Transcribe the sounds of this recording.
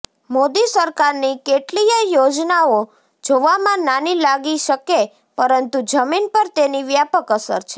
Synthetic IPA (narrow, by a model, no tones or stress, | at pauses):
mod̪isəɾkaɾnikeʈlijəjod͡ʒnao | d͡ʒoʋamãnanilaɡiʃəke | pəɾənt̪ud͡ʒəminpəɾt̪eniʋjapəkəsə̰ɾt͡ʃʰe̥